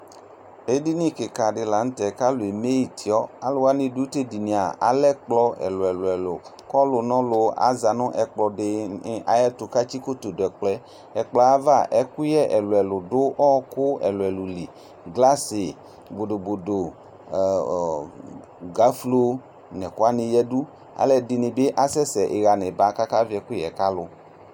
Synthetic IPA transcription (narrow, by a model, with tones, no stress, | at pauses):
e˦di˦nĩ˦ke˨ka˨ɖɪ˨la˨ŋ̩̃˦t̪ɛ˨ka˦lo˨e˨me˦i˨t̪i˨ɔ˦a˨lʊ˨wa˦nĩ˨du˦t̪e˦di˨nĩ˨a˨a̰˨lɛ˦k͡plɔ˦ɛ̰˨lʊ˨ɛ˨lʊ˨ɛ˨lʊ̰˨kɔ˦lʊ˨nɔ̃˦lʊ˨a̰˨za˨nʊ̃˦ʔɛ˨k͡plɔ˨dɪ˨˦a̰˨jɛ˦t̪ʊ˨ka˦t͡ɕi˦ko˦t̪o˨dɛ˨k͡plɛ˦ | ɛ˨k͡plɔ˨˦a˦va˦˨ʔɛ˨˦ku˦jɛ˦ʔɛ˨lo˨ɛ˨lʊ˨dʊ˦ʔɔ˦kʊ˦ɛ̰˨lo˨ɛ˨lu˨li˨ | ɡla˦se˨ | bo˨do˨bo˨do˨ | ɡa˨˦flo˦ | nɛ̃˨ko˦a˦nĩ˨jɛ˦du˦ | a̰˨lɛ˨di˨nĩ˨be˦ʔa˨sɛ˦sɛ˨ʔe˨ɣa˨nɛ̃˨ba˦ka˦ka˦vi˦ɛ˨ku˦ɛ˨ka˦lʊ˨